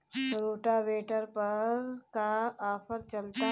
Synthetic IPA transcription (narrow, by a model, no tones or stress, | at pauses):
ɾoːʈaʋeːʈəɾpɐɾkaaːpʰəɾt͡ʃəlt̪a